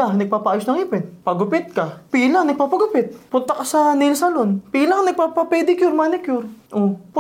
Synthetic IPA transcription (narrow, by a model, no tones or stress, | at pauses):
anɐɡ̚paːpɐʔaːjosnɐŋipɛnpɐɡʊpɪt̪̚kɐpiːlɐŋnɐɡ̚papɐɡʊpɪt̪̚pʊnt̪ɐkɐsɐnɪlsɐlonpiːlɐŋnɐɡ̚papɐpɛd̪ɪkjʊɾmanɪkjʊɾʔopʊ